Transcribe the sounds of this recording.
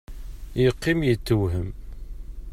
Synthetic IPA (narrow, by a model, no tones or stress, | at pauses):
jəqːimjət͡sːəwɦəm